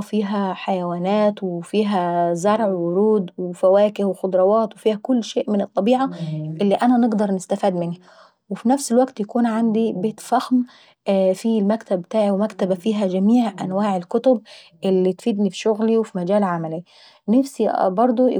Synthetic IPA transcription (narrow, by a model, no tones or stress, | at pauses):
fiːɦæħajæwæːnæːt̪wefiːɦæzɑɾˤʕwwʊɾuːd̪wefæwæːkɪhwexod̪ˤɾˤɑwɑːt̪wefiːhækʊlːʃeːʔmɪnet̪ˤːɑbiːʕɑʔelːiʔænænɪɡd̪ɑɾˤnɪst̪æfiːd̪mɪnhæ | wefinæfselwæɡt̪jækuːnʕand̪ibeːt̪fæxm | filmækt̪æbbːt̪aːʕiwemækt̪æbæfiːɦæd͡ʒæmiːʕʔæ̰nwaːʕelkʊt̪ʊb̚ | ʔelːit̪fiːd̪nifi̥ʃoɣliwefimæd͡ʒæːlʕamæli | næfsibɑɾˤd̪ˤo